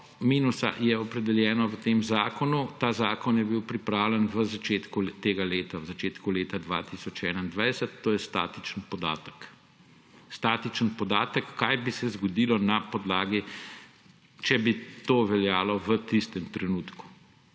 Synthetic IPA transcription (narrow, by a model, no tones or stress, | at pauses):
miːnusa̰jɛɔpɾɛd̪ɛljɛːnɔʋət̪eːmzaːkɔnut̪aːzaːkɔnjɛbiwpɾipɾaːwlʲjɛnʋəzat͡ʃeːt̪kut̪eːɡaleːt̪awzat͡ʃeːt̪kuleːt̪ad̪ʋa̰ːt̪isɔt͡ʃɛːnaind̪ʋajsət̪ːoːjɛst̪a̰ːt̪i̥t͡ʃənpɔd̪a̰ːt̪ə̥k | st̪aːt̪it͡ʃənpɔd̪aːt̪əkːajbisɛzɡɔd̪iːlɔnapɔd̪laːɡi | t͡ʃɛbit̪oːʋɛljaːlɔʋət̪ist̪ɛmt̪ɾɛnuːt̪ku̥